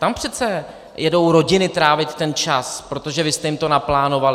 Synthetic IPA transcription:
t̪ampr̝̥ɛt̪t͡sɛ | jɛdo̞wɾo̞ɟɪnɪt̪ɾaːvɪt̪ːɛnt͡ʃaspɾo̞t̪o̞ʒɛvɪst̪ɛjɪmt̪o̞naplaːno̞valɪ

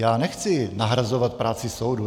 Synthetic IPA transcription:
jaːnɛxt͡sɪnaɦɾazovat̪̚pɾaːt͡sɪsowdu

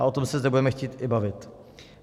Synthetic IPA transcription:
aʔo̞t̪o̞msɛzdɛbudɛmɛxciːt̪ɪbavɪt̪

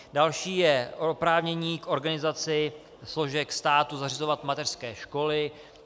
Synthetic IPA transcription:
dalʃiːjɛʔopɾaːvɲɛɲiːkʔo̞ɾɡanɪzat͡sɪ | slo̞ʒɛkst̪aːt̪uzar̝ɪzo̞vat̪mat̪ɛr̥skɛːʃko̞lɪ

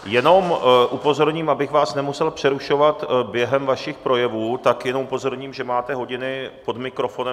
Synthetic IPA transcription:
jɛno̞mʔupo̞zo̞ɾɲiːmʔabɪxvaːsnɛmusɛlpr̝̥ɛɾuʃo̞vat̪bjɛɦɛmvaʃɪxpɾo̞jɛvuːt̪akjɛnomupo̞zo̞ɾɲiːmʒɛmaːt̪ɛɦo̞ɟɪnɪpo̞dmɪkɾo̞fo̞nɛ

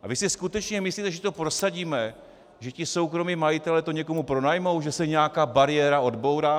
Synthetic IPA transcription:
ʔa̰vɪsɪskut̪ɛt͡ʃɲɛmɪsliːt̪ɛʒɛt̪o̞pɾo̞saɟiːmɛ | ʒɛcɪso̞wkɾo̞miːmajɪt̪ɛlɛt̪o̞ɲɛko̞mupɾo̞najmo̞wʒɛsɛɲɛjakaːbaɾɪjɛɾao̞dbo̞wdaː

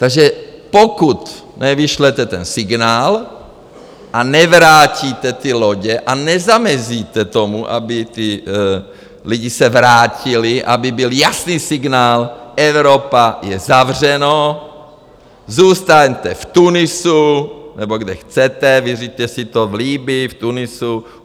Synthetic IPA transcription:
t̪aɡʒɛpokut̪ | nɛviʃlɛt̪ɛt̪ɛnsɪɡnaːl | ʔanɛvɾaːciːt̪ɛt̪ɪloɟɛʔanɛzamɛziːt̪ɛt̪o̞muʔa̰bɪt̪ɪ | liɟɪsɛvɾaːcɪlɪʔa̰bɪbɪljasniːsɪɡnaːlʔɛvɾopajɛzavr̝ɛno | zuːst̪aɲt̪ɛft̪unɪsunɛboɡdɛxt͡sɛt̪ɛvirit̪ɛsɪt̪ovliːbɪft̪unɪsu

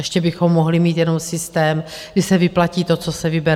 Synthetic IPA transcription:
ɛʃcɛbɪxo̞mːoɦlɪmiːt̪jɛno̞msɪst̪ɛːm | ɡdɪsɛvɪplaciːt̪o̞t͡so̞sɛvɪbɛɾ

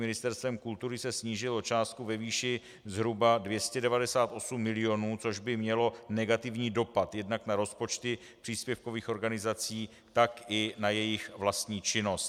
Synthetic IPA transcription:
mɪnɪst̪ɛɾst̪vɛmkult̪uɾɪsɛsɲiːʒɪlot͡ʃaːst̪̚kuvɛviːʃɪ | zɦɾubadvjɛscɛdɛvadɛsaːt̪ʔo̞sumːɪlɪo̞nuːt͡so̞ʒbɪmɲɛlo̞nɛɡat̪ɪvɲiːdo̞pat̪jɛdnaknaɾo̞spo̞t͡ʃt̪ɪ | pr̥iːspjɛfko̞viːxo̞ɾɡanɪzat͡siː | t̪akɪnajɛjɪxvlast̪ɲiːt͡ʃɪno̞st̪

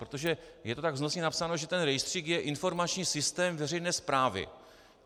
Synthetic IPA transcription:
pɾot̪oʒɛjɛt̪o̞t̪aɡvznosɲɛnapsano̞ʒɛt̪ɛnɾɛjst̪r̥iːkjɛʔɪnfo̞ɾmat͡ʃɲiːsɪst̪ɛːmvɛrɛjnɛːspɾaːvɪ̰

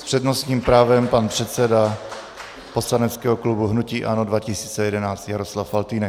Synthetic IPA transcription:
spr̥ɛdnostɲiːmpɾaːvɛmpanpr̥ɛt̪sɛda | po̞slanɛt͡skɛːɦoklubuɦnuciːʔanodvacɪsiːt͡sɛjɛdɛnaːt͡st̪jaɾoslafːalt̪iːnɛ

